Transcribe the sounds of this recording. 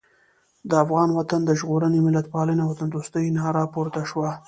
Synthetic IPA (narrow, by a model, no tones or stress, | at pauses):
d̪əafɣɑnwat̪and̪əʒɣoɾənemɪlat̪̚pɑləjnawat̪and̪ost̪əjnɑɾɑpoɾt̪aʃwa